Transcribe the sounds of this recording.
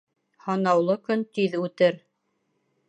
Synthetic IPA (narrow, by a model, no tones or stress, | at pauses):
hɑnɑwlˠɤkɵnt̪iðʉt̪ɘɾ